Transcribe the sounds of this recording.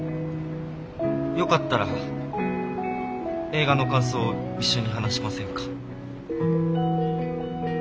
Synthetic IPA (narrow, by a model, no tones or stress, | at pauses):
jo̞kat̪ːaɾa̰ | e̞ːɡano̞kãɰ̃s̬o̞ːiɕːo̞ɲ̟iɦanaɕimasẽ̞ŋkḁ